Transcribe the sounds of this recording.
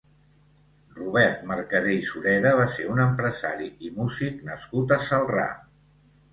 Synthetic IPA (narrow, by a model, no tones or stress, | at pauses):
ruβ̞ɛɾt̪məɾkəðejsuɾɛðəβ̞aseunəmpɾəza̰ɾiimuziknəskut̪əsəlˠra̰